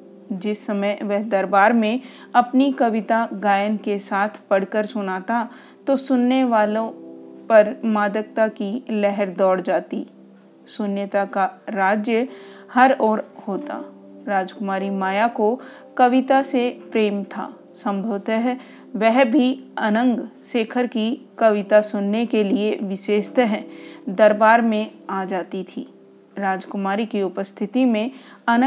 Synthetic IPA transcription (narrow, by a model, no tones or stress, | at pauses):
d͡ʒɪsːɐməjʋɛɦd̪ɐɾbaːɾmẽ | ɐpnikɐʋɪt̪aɡaːjənkesaːt̪ʰpɐɽ̤kəɾsʊnaːt̪a | t̪osʊnːeʋaːlõpɐɾmaːd̪ək̚t̪akilɛɦəɾd̪ɔːɽd͡ʒaːt̪i | sʊnjət̪akaɾaːd͡ʒjəhɐɾɔːɾhoːt̪a̰ | ɾaːd͡ʒkʊmaːɾimaːjako | kɐʋɪt̪asepɾeːmt̪ʰa̰ː | sɐ̃mbʱəʋt̪əɦ | ʋɛɦbʱiɐnə̃ŋɡseːkʰəɾkikɐʋɪt̪asʊnːekelieʋɪʃeːʃt̪əɦɛd̪ɐɾbaːɾmẽaːd͡ʒaːt̪it̪ʰḭː | ɾaːd͡ʒkʊmaːɾikiʊpəst̪ʰɪt̪imẽɐnə̃